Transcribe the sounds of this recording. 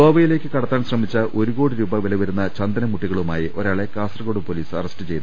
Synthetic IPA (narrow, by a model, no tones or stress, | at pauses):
oːbɐjile̞ːkːɨkɐɽɐt̪ːaːnsrɐmit͡ɕːɐʔʔo̞ɾuɣo̞ːɽiɾuːbɐʋilɐʋɐɾunːɐt͡ɕɐnd̪ɐnɐmuʈːiɣɐɭumaːjiʔʔoɾaːɭe̞kaːsrɐɣo̞ːɽupoliːsɐ̰rɐsʈɨt͡ɕe̞jt̪u